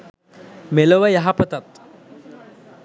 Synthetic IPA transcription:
meləʋɐjaɦapət̪at̪

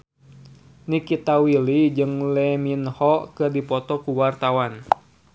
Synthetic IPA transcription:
nikit̪awilid͡ʒɨŋlɛminhɔkɨrdipɔt̪ɔkuwart̪awan

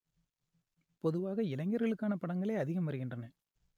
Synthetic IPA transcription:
pɔðɯʋaːɣɐɪlɐŋɡɐɾɣɐɭɯkːaːnɐpɐɽɐŋɡɐɭeːɐðɪɣɐmʋɐɾɯɣɪndrɐnɐ

